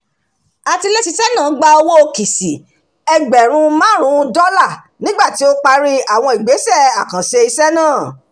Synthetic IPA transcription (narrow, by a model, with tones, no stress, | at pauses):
a˨ti˧le˦ti˧sɛ˦nãː˦˨˦ɡ͡ba˧o˧wo˦o˧ki˨si˨ | ɛ˧ɡ͡bɛ˨ɾ̃ũ˧mãː˦ɾ̃ũ˨˦˧dɔ˦la˦˨ | nĩ˦ɡ͡ba˦˨ti˨˦o˦k͡pa˧ɾi˦a˦˨w̃ɔ̃˧˨i˨ɡ͡be˨˦sɛ˦˨a˨kã˨ʃe˧i˧sɛ˦nãː˦˨